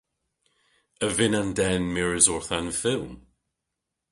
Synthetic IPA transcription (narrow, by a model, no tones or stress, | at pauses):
əvɪnãndɛnmɪɹɪzɔɹθanfɪlˠm